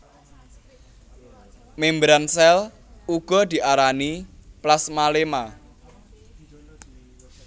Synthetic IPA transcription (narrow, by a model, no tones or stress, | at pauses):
membɾansɛl | uɡ̥ɔ̤d̪̥i̤ʔaɾaniplasmalema